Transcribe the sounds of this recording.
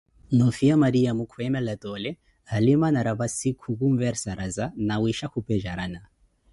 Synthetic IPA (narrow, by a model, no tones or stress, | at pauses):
nɔfiamaɾiamukʰwɛmɛlatɔlɛ | alimanaɾaβasikʰukumvɛɾsaɾʔazanawiʃakupɛʒaɾana